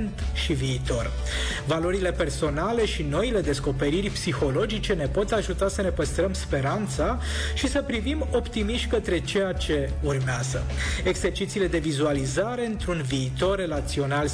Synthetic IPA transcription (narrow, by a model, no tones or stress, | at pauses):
nt̪ʃiviːt̪o̞r | valo̞ɾile̞pe̞rso̞nale̞ʃino̞ile̞d̪e̞sko̞pe̞ɾirʲpsixo̞lo̞d͡ʒit͡ʃe̞ne̞po̞t̪aʒut̪asəne̞pəst̪ɾəmspe̞ɾant̪sa | ʃisəpɾivimo̞pt̪imiʃt̪ʲkət̪ɾe̞t͡ʃe̞jat͡ʃe̞urmeazə̰e̞ɡse̞rt͡ʃit̪siːle̞d̪e̞vizualizaɾe̞ɨnt̪ɾunviːt̪o̞rːe̞lat̪sio̞nal